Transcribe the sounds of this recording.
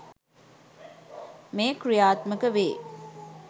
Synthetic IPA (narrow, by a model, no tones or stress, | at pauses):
meːkrijaːt̪məkəʋeː